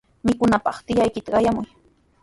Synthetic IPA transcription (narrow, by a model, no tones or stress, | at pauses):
mɪkʊnapɑχt̪ɪjajkɪt̪aɢɑjamʊj